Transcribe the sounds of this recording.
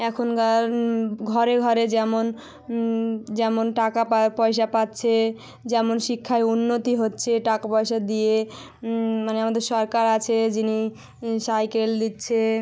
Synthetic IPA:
ɛkʰona | ɡʱɔɾeɡʱɔɾed͡ʑɛmon | d͡ʑɛmonʈakapapɔeʃ̬apatːɕʰe | d͡ʑɛmonʃikʰːaeunːot̪iɦotːɕʰeʈakapɔeʃad̪ije | maneamad̪eɾʃɔɾkaɾat͡ɕʰed͡ʑini | sajkeld̪itːɕʰe

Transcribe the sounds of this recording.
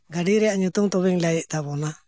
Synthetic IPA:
ɡaɖiɾɛjaʔɲut̪ɔŋt̪ɔβɛŋlajɛʔt̪abɔna

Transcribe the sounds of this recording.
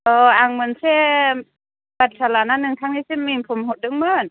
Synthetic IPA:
ʔɤːʔaŋmɯənse | bat̪̚sʰalananːɯŋk̪ʰaŋniːseminpʰomhot̚dɯŋmɯn

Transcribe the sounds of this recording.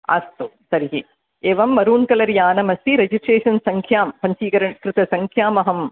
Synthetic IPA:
a̰ːst̪usɐɾiɦi | eːʋɐmːɐɾuːɳkɐlɐɾjaːnɐmɐsiɾed͡ʒisʈɾeːʂɐnsɐŋkʰjaːmpɐɲt͡ʃiːkɐɾɐɳkɾɨt̪ɐsɐŋkʰjaːmɐɦɐm

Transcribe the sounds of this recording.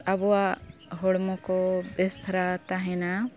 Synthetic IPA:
abɔwaɦɔɽmɔkɔbest̪ʰɾat̪aɦɛ̃na

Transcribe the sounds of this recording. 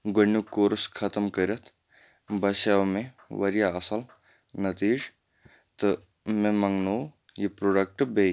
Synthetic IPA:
ɡɐnːukoːɾskʰɐt̪ɐmkɐɾʲɐt̪ʰ | bɐʃaʋmẽ | ʋɐɾijaɐsɐl | nɐt̪iːʐ | t̪ɨ | mẽmɐŋnoː | jipɾoːɖɐk̚ʈbe

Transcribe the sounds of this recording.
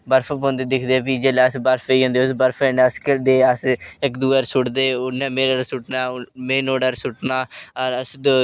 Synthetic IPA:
bəɾpʰpõːnd̪eːd̪ɪkʰd̪eːʋiːd͡ʒeːleəsbəɾpʰeiːɦõːnd̪eːʊsbəɾpʰẽnəsked̪eːəsɪkd̪uːəɾsʊʈd̪eːʊnɛ̃ːmeːɾəɾsʊʈnaːmeːnoːɖəɾsʊʈnaːəɾəsd̪

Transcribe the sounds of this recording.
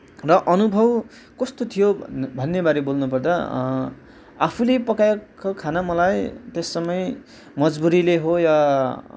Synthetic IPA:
rʌʔʌnubʱʌw | kʌst̪ot̪ʰijobʱʌnːebaɾebolnupʌrd̪ʌ | apʰulepʌkajkokʰanamʌlajt̪esːʌmʌj | mʌd͡zbuɾileɦojʌ

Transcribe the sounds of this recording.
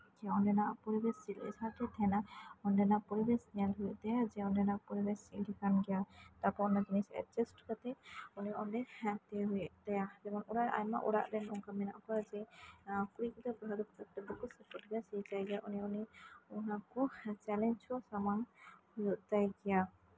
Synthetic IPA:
d͡ʒaɔnɖɛnaʔpɔɾibɛsilɛ̰d͡ʒaɾʈɛt̪ʰɛnaɔnɖɛnapɔɾibɛsnalɦujʔt̪ajad͡ʒɛɔnɖɛnaʔpɔɾibɛsildɛkanɡɛjat̪apɔɔnːad͡ʒinisɛ̰t͡ʃɛsʈkat̪ɛɔniɔnɖɛt̪ɛɦujɛʔt̪ajad͡ʒɛmɔnɔɾaʔa̰jma̰ʔɔɽa̰ʔɾɛnɔŋkamɛna̰ʔkad͡ʒɛkuɾikɔt̪ɛpɔɦad̪ɔkt̪ak̚ʈɛbɔkusɛpɔʈɡasit͡ʃajɡɛjaʔɔniɔniɔnakɔt͡ʃɛlɛnt͡ʃɔsamanhujɔʔt̪ajɡɛja

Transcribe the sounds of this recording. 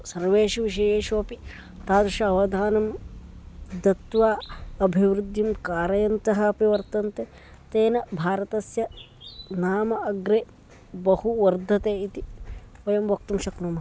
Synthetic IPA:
sɐɾʋeːʃuʋiʃ̬ɐjeːʃoːpi | t̪aːt̪ɐʃɐɐʋɐd̪ʱaːnɐm | d̪ɐt̪ʋaːɐbʱiʋɾud̪ʱːimkaːɾɐjɐnt̪ɐɦɐpiʋɐɾt̪ɐnt̪e | t̪eːnɐbʱaːɾɐt̪ɐsjɐ | naːmɐɐɡɾe | bɐhuʋɐɾd̪ʱːɐt̪eːit̪iʋɐjɐmʋɐk̚t̪umʃɐknumɐ

